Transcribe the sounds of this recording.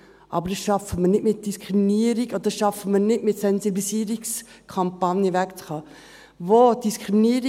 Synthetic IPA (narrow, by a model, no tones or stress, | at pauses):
ʔɑ̰bəɾdɑsʃɑfəməɾnɪtmɪt̚d̥iskʰɾiminiəɾiɡo̥əd̥ɑsʃɑfəməɾnɪtmɪtsɛnziblisiəɾiks | kʰɑmpɑnjəvækt͡sχɑː | vod̥iskɾiminiəɾ